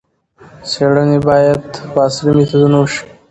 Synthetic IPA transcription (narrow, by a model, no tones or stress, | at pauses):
seɽənebɑːjad̪wɑːslimit̪ʰad̪unawʃi̥